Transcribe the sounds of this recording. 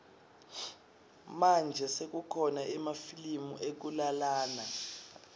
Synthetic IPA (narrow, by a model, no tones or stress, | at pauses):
mand͡ʒʱɛsek̬ukʰɔnaɛmafilimuʔek̬ulalaːna